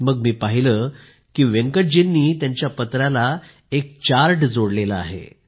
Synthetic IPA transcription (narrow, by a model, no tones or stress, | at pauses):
məɡmiːpaɦiləː | kiːʋeŋkəʈ̚d͡ʑinːiːt̪jaɲt͡ɕjapət̪ɾala | ek̚t͡ɕaɾʈd͡zoɽleləa̰ɦḛ